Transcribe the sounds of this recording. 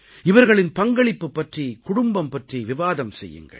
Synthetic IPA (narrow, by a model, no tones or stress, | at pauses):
ɪʋɐɾɣɐɭɪnpɐŋɡɐɭɪpːɯpːɐʈrikʊɽʊmbɐmpɐʈriʋɪʋaːðɐmsɛjːɯ̰ŋɡɐ̰ɭ